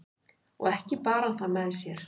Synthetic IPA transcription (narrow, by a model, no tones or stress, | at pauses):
ɔ̰ɣɛhcɪpaːɾanθaðmɛðsjɛɾ̥